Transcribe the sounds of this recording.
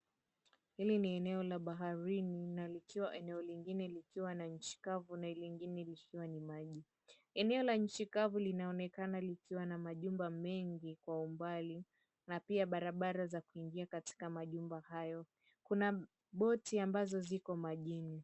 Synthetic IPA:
hiliniɛnɛɔlaɓaɦaɾininalikiwaʔɛnɛɔliŋɡinɛlikiwanaɲ̩t͡ʃi̥kavunailiŋɡinɛlikiwanimaʄi | ɛnɛɔlaɲ̩t͡ʃikavulinaɔnɛkanalikiwanamaʄumbamɛŋɡikwaumbali | napiaɓaɾaɓaɾazakuiŋɡiakati̥kamaʄumbahajɔ | kuna | ɓɔtiambazɔzikɔmaʄini

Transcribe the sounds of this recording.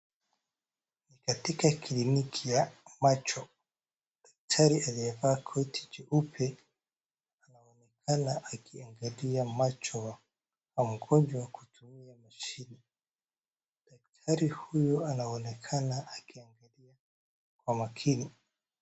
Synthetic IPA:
nikatikakʰilinikʰijamat͡ʃɔ | dak̚tʰaɾiʔaliɛvaːkʰɔtʰi̥d͡ʒɛʔupʰɛ | aanaɔnɛkʰanaʔakiaŋɡaliamat͡ʃɔwa | wam̩ɡɔnd͡ʒwawaku̥tʰumiamaʃini | dak̚tʰaɾihujɔanaɔnɛkʰanaʔakiaŋɡalia | kwamakʰini

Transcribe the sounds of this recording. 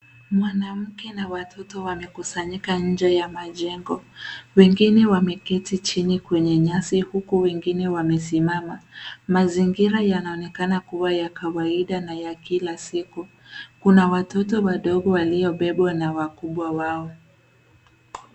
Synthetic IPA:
mwanam̩kɛnawatʰɔtɔwamɛkusaɲikaɲ̩d͡ʒɛjamaʄɛŋɡɔwɛŋɡinɛwamɛkɛtit͡ʃinikwɛɲɛɲasihukuwɛŋɡinɛwamɛsimamamaziŋɡiɾajanaɔnɛkanakuwajakawaiɗanajakilasiku | kunawatɔtɔwaɗɔɠɔwalijɔɓɛɓwanawakuɓwawaɔ

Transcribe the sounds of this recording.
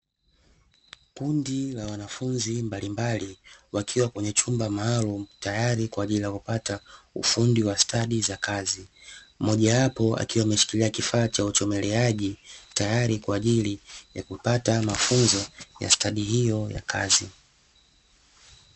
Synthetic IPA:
kundilawanafunzimbalimbaliwakʰiwakwɛɲɛt͡ʃumbamaːlum̩tajaɾikwaːʄilijakupataṵfundiwastʰaɗizakazimɔʄawapɔa̰kiwaːmɛʃi̥kiliakifaːt͡ʃaut͡ʃɔmɛlɛaʄitajaɾikwaːʄilija̰kupatamafunzɔja̰staɗihijɔja̰kʰa̰zi

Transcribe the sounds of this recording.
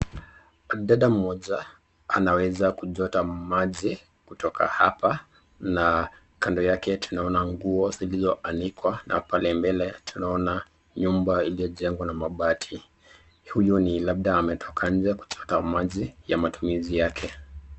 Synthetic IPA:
aɗaɗam̩mɔʄa | a̰nawɛzakuʄɔtamaʄi | kutɔka̰hapa | na | kandɔjakɛtʰunaɔnaŋɡuɔzilizɔʔanikwana̰palɛmbɛlɛtʰunaɔna | ɲumbailijɔʄɛŋɡwanamaɓatʰi | hujunilab̚ɗaːmɛtʰɔkʰaɲ̩d͡ʒɛku̥t͡ʃɔtamaʄijamatumizijakʰɛ

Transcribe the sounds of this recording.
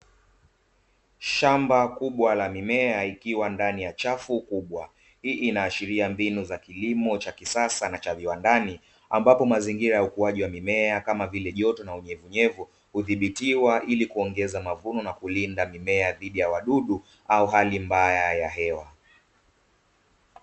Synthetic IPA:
ʃambakuɓwalamimɛaikiwandanijat͡ʃafukuɓwa | hiːʔinaːʃiɾiambinuzakilimɔt͡ʃakisasanat͡ʃaviwandani | ambapɔmaziŋɡiɾajaukuaʄiwamimɛakamavilɛʄɔtɔnauɲɛvuɲɛvu | huðiɓitiwaʔilikuɔŋɡɛzamavunɔnakulindamimɛaðiɗijawaɗuɗu | auɦalimbajajaɦɛwa

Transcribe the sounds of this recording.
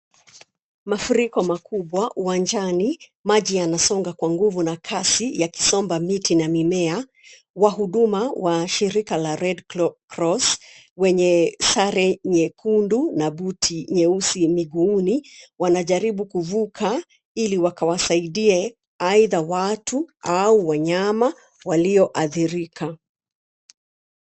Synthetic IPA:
mafuɾikɔmakuɓwaʔuwaɲd͡ʒanimaʄianasɔŋɡakwaŋɡuvunakʰasijaki̥sɔmbamitʰinamimɛa | waɦuɗumawaʃiɾikalaɾɛdkɾɔs | wɛɲɛsaɾɛɲɛkʰundunaɓutʰiɲɛusimiɠuːniwanaʄaɾiɓukuvukʰa | iliwakawasaiɗiɛ | aiðawatʰuauwaɲama | waliɔʔaθiɾikʰa

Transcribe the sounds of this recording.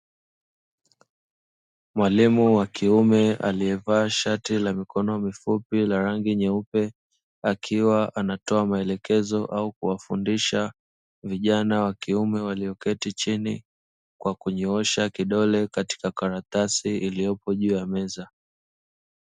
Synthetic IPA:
mwalimuwakiumɛʔa̰liɛvaːʃatilamikɔnɔmifupilaɾaŋɡiɲɛupɛ | akʰiwaʔanatɔamaɛlɛkɛzɔʔaukuwafundiʃa | viʄanawakiumɛwaliɔkɛtit͡ʃini | kwakuɲɔɔʃakiɗɔlɛkati̥kakaɾatasiilijɔpɔʄuːjamɛza

